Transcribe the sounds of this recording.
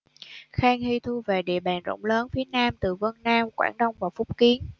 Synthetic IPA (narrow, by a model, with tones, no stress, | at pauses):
xaː˧ŋhi˧t̪ʰu˧ve˨˩ɗḭ˧˨əɓaː˨˩nzo̰˧˥wŋ͡mləː˨˦nfi˨˦ənaː˧mt̪ɨ˨˩və˧nnaː˧mkwa̰ː˧˩nɗə˧wŋ͡mvaː˨˩fʊ˦˥k͡p̚ki˨˦ən